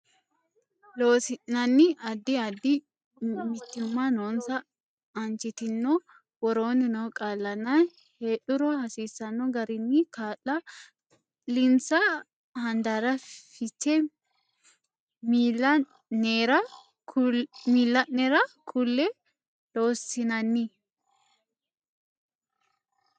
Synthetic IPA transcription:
lo̞ːsɪnːɐnːɪʔɐd̪ːɪɐd̪ːɪ | mɪt̪ːɪʊmːɐnoːnsɐː | nt͡ʃɪt̪ɪnːɔ | wɔɾoːnɪnɔwkʼaːlːɐnːɐ | heːɗʊɾɔhɐsiːsːɐnːɔɡɐɾɪnːɪkaːlːɐ | lɪnsɐ | hɐnd̪aɾɐfɪt͡ʃːɛ | mːɐ | neːɾɐ | miːlːɐnnɛɾɐkʰʊlːɛ | loːsɪnɐnːɪ

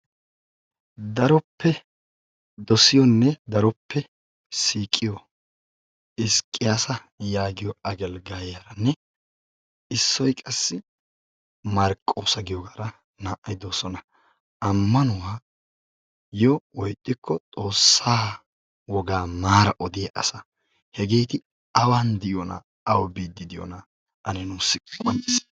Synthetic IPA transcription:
d̪ɐɾɔpʰːɛ | d̪ɔsɪjɔnːɛd̪ɐɾɔpʰːɛ | siːkʼːɪjɔ | ɪskʼːɪjaːsɐ | jaːɡɪjɔɐɡɛlɡaːjɐɾɐnːɛ | ɪsːɔjkʼɐsːɪ | mɐɾkʼːoːsɐɡɪjɔɡaːɾɐ | naːʔɐjd̪o̞ːsɔnɐ | ʔɐmːɐnʊwaː | jɔwɔjt̪ʼːɪkʰːɔt̪ʼo̞ːsːaː | wɔɡaːmaːɾɐʔɔd̪ɪjɐʔɐsɐ | hɛɡe̞ːt̪ɪ | ɐwaːnd̪ɪjɔnɐ̰ | ɐwbiːd̪ːɪd̪ɪjɔ̰nɐ | ʔɐnɛnuːsːɪkʼʔɐnɪs

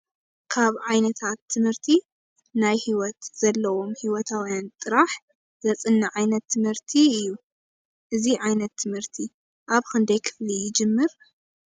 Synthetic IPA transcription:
kʰaβʕajnɐt̪ʰat̪ʰːɨmhɨɾt̪ʰi | najhiwɔt̪z̥ɐlːɐwo̞mhiwɔt̪ʰawjant̪ʼɨɾaħ | zɐt͡sʼɨnːaʕajnɐt̪ʰːɨmhɨɾt̪ʰiɨjːu | ʔɨziʕajnɐt̪ʰːɨmhɨɾt̪ʰi | ʔaβxɨnd̪ɐjkʰɨ̥flijɪd͡ʒɨmːɨɾ

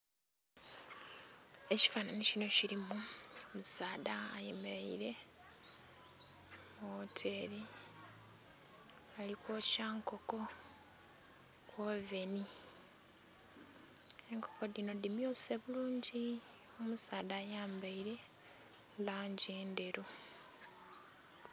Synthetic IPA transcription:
e̞ci̥fananicino̞ciɾimuomusaːðaːjemeɾaḭɾe̞ | motʰe̞ɾi | alikwoːcaːŋko̞ko̞ | kwove̞ni | e̞ŋko̞ko̞dino̞dimioseβuluːɲɟi | omusaːðaːjaːmbaiɾe̞ | laːɲɟeːnde̞ɾu

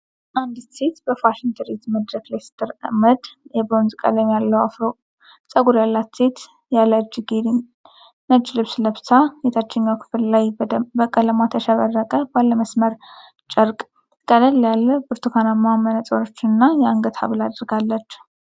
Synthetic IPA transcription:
ʔand̪set̪bəfaʃɪnt̪ʰəɾet̪məd̪ɾəklest̪ʰəɾə̰məd̪jɛbɾo̞nzkʼə̰ləmjalːəwa̰fɾo | sʼəɡuɾjalːat̪set̪ | jaləɨd͡ʒɡed̪ | nəd͡ʒːlɨβsləβsajɛt̪ʰat͡ʃːɛɲːawkʰɨ̥fɨllajbəkʼələmat̪ʰəʃəβərːəkʼəbalːəməsməɾ | t͡ʃʼəɾkʼ | kʼələljalːəbɨɾt̪ʰukʰanamamːənət͡sʼoɾot͡ʃːɪnɨnːajɛaŋɡət̪ʰa̰βɨlad̪ɾɡalːət͡ʃː

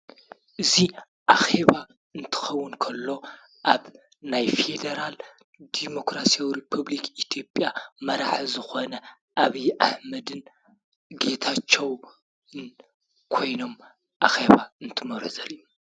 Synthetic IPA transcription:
ʔɨzi | ʔaxe̞βa | ɨnt̪ʰɨ̥xɐwːʊnkʰɐlːo̞ | ʔaβ | najfe̞d̪ɐɾal | d̪̥imo̞kɾasiawiɾipʰuβlikit̪ʰjo̞pʼjamɐɾaħzɨxonɐ | ʔaβiʔaħmɐd̪ɨn | ɡe̞t̪ʰat͡ʃʰːɐw | n | kʰo̞jno̞m | ʔaxe̞βaɨnt̪ʰɨmɐɾzɐlju

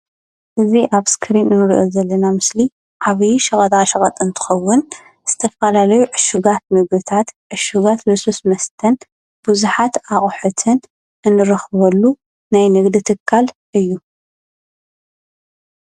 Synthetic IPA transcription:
ʔɨziʔaβskʰɨɾinɨnɨɾʔozɐlːɐnamɨsli | ʕaβjʃɐχʼɐt̪ʼaʃɐkʼɐt̪ʼɨnt̪ʰɨ̥xɐwːʊn | z̥ɨt̪ʰɐfɐlalɐjuʕɨʃuɡat̪̚mɨɡd̪ɨt̪ʰat̪ʕɨʃuɡat̪bɨsosmɐst̪ʰɐn | b̥uzuħat̪aχʼħut̪ʰɨn | ʔɨnːɨɾɐxβɐlːu | najnɨɡd̪it̪ʰɨkʰːalʔɨjːu

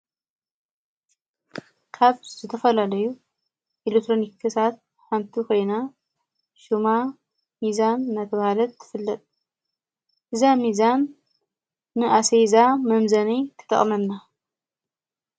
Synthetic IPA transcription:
kʰaβzɨt̪ʰɐfɐlalɐju | ʔelek̚t̪ʰɾonikʰːɨsʰat̪̚ | ħant̪ʰikʰo̞jna | ʃuma | mizanːat̪ʰɐβahalɐt̪ːɨ̥fɨlːɐt̪ʼ | ʔɨzamizanː | ɨʔasejzamɐmzɐnit̪ʰɨ̥t̪ʼɐ̰χʼmɐmna

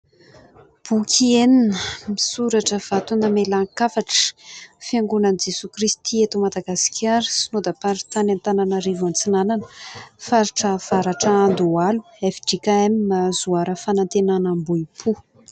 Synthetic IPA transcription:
b̥ukʲʰieninəmisuɾaʈ͡ʂəv̥at̪unəmelaŋkafaʈ͡ʂə̥fiaŋɡunanid͡ʒesukrist̪iet̪umad̪aɡasi̥kʲʰaɾisinod̪apaɾit̪anant̪ananaɾivant͡sinananəfaɾiʈ͡ʂəv̥aɾaʈ͡ʂaand̪ualu̥ | efiɖ͡ʐikaeminazuaɾəfanant̪enanambuipʰu

